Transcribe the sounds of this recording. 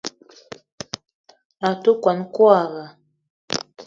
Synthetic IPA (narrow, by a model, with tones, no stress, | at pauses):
a˨tu˦kwa˨nkwa˦˨ɣa˨